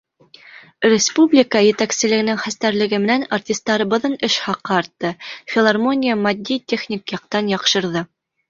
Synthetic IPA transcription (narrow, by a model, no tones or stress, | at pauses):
rʲɪspublʲɪkəjɘ̆t̪æksɘ̆lɘ̆ɡɘ̆nɘŋχæst̪æɾlɘ̆ɡɘmɘ̆nænartʲist̪ːɑɾɤ̆bɤ̆ðɤnɘʃχɑqːɤɑɾt̪ːɤfʲɪlˠarmo̞nʲijəmɐd̪ʲːit̪ʲeχnʲikjɑq̚t̪ɑnjɑqʃɤ̆ɾðɤ